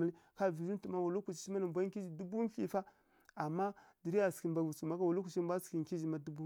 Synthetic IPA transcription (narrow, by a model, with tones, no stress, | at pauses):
ə˦li˦ka˦˨vi˨zi˦n˦tu˨ma˦wu˨lu˦ku˨t͡ʃi̥˨˦t͡ʃi˦ma˦ni˨mbʷa˦ki˦d͡ʒi˨du˦bu˦n˦ɬi˨fa˦ | a˨mːa˦di˨ɾi˦a˨ski˨mbʷa˨vu˨t͡su˨ma˦ka˦wu˨lu˦ku˨t͡ʃi˦bʷa˦ski˨ŋ˨ki˦d͡ʒi˨ma˦du˦bu˦